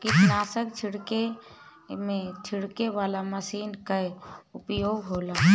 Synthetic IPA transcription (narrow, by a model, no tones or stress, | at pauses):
kɪt̪naːsəkt͡ʃʰɪɽke | mẽt͡ʃʰɪɽkeʋaːlaməsiːnkaeʊpjoːɡɦoːlaː